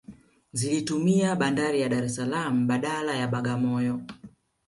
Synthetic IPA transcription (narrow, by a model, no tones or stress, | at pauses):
zilitumiaɓandaɾijaɗaɾɛsalam̩ɓaɗalajaɓaɡamɔjɔ